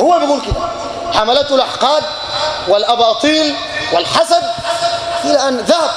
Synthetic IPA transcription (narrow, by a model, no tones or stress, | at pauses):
hʊwːalmaɡuːlkɪd̪a | ħamalat̪lʔa̰ħqɑːd̪̚ | wɪlʔɑbɑːt̪ˤiːl | wɪlħasad̪̚ | ʔɪlaʔanðahab̚